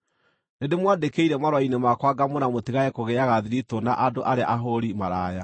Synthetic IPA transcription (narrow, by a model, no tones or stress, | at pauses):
nedemwadekeiɾɛmaɾwainemakwaɡamonamotiɣajɛkoɣɛaɣaðiɾitonaʔadoʔaɾeaʔaɦoɾimaɾaja